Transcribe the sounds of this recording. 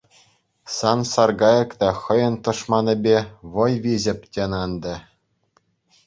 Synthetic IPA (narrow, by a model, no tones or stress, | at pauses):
sɑnsɑrɡɑjɤ̆kt̪ɑxɤ̆jɤ̆nt̪ɤ̆ʂmɑnʲɘ̆bʲeʋɤ̆jʋʲizɘ̆pʲtʲenɑnd̪ɘ̆